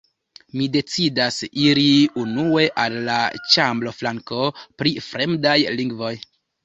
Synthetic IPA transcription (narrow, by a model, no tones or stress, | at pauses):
mide̞t͡sidasiɾiunue̞ʔalːat͡ʃamblo̞flaŋko̞pɾifɾe̞mdajliŋɡvo̞j